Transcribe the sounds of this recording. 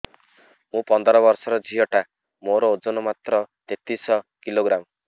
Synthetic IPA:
mũpɔnd̪ɔɾɔβɔɾsɔɾɔd͡ʒʱijɔʈa | moɾɔod͡ʒonɔmat̪ɾɔt̪et̪isɔkiloɡɾam

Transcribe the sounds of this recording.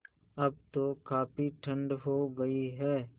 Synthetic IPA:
ɐb̚t̪okaːpiʈʰə̃ɳɖɦoɡɐiɦɛː

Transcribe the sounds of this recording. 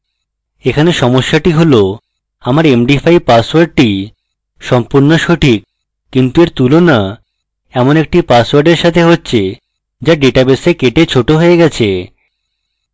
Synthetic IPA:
ekʰaneʃɔmoʃːaʈiɦolo | amaɾemɖifʰajpaswaɾɖ̚ʈi | ʃɔmpuɾnoʃoʈʰikː | int̪ueɾt̪ulona | ɛmonek̚ʈipaswaɾɖeɾʃat̪ʰeɦotːɕʰe | d͡ʑaɖeʈabesekeʈet͡ɕʰoʈoɦoeɡɛt͡ɕʰe

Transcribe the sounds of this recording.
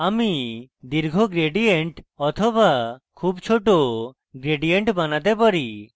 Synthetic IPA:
amid̪iɾɡʱoɡɾeɖieɳʈɔt̪ʰɔbakʰubt͡ʃʰoʈo | ɡɾeɖijeɳʈbanat̪ɛpaɾi

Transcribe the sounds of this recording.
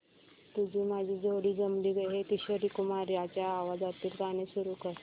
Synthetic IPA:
t̪ud͡ʑʱiːmad͡ʑʱiːd͡zʱoɽiːd͡zəmɽiːɡəɦet̪iɕəɾikumaɾjat͡ɕjaːʋad͡zat̪iːlt̪anesuɾukəɾ

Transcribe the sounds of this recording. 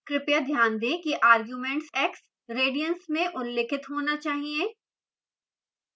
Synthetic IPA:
kɾɪpjad̪ʱjaːnd̪ẽːkiʔaːɾɡjuːmɛ̃ːɳʈsɛːks | ɾeːɖijənsmẽʔʊlːɪkʰɪt̪ɦoːnat͡ʃaːɦiẽː

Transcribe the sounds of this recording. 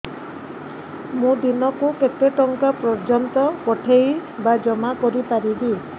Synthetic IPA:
mũd̪inɔkuket̪eʈɔŋkapɾɔd͡ʒɔnt̪ɔkɔʈʰejbad͡ʒɔmakɔɾipaɾibi

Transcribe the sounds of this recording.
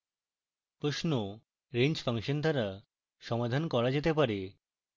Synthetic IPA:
pɾoʃno | ɾend͡ʑfaŋʃond̪ʱaɾa | ʃɔmad̪ʱankɔɾad͡ʑet̪epaɾe

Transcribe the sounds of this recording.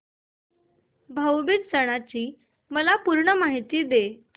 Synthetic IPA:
bʱəwbit̪səɽ̃at͡ɕiː | məlapuɾɳəmaɦit̪iːd̪e

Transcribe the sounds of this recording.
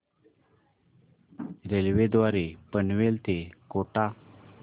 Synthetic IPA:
ɾelʋed̪ʋaɾepənʋelt̪ekoʈa

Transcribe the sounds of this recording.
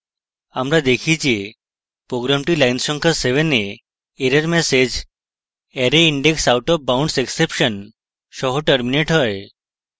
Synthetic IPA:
amɾad̪ekʰit͡ʃʰie | pɾoɡɾamʈilajnsɔŋkʰaseʋene | eɾəɾmesed͡ʒ | eɾeiɳɖeksawʈɔbawɳɖseksepʃən | ʃɔɦoʈəɾmineʈɦɔj

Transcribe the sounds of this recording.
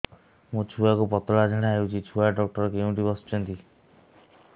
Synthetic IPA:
mũt͡ʃʰuakupɔt̪ɔɭad͡ʒʱɔɽ̃eaɦewt͡ʃʰit͡ʃʰuaɖɔk̚ʈɔɾɔkeũʈibɔst͡ʃʰɔnt̪i

